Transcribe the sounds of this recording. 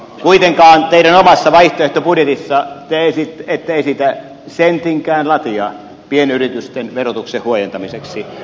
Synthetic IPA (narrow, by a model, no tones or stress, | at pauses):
kuit̪eŋkɑːnt̪eˑiɾænomɑsːɑʋɑiht̪oeht̪opudjet̪isːɑt̪ːæeˑisit̪ːet̪ːæeˑisiːt̪æ | sent̪iŋkˑæːnlɑt̪iɑ | pienyrit̪yst̪enʋerot̪uksehhuojent̪ɑmiseksi